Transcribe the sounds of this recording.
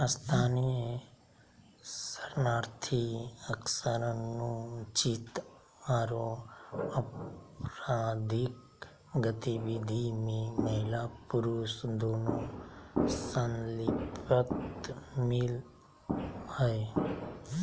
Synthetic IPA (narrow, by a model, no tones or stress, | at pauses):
st̪ʰaːnie | səɾnaːɾt̪ʰiəksəɾnũt͡ʃit̪ | aːɾoəpɾaːd̪ʱik | ɡət̪iʋid̪ʱimẽməɦɪlapʊɾuːsd̪oːnõː | sənlɪpət̪mɪl | həe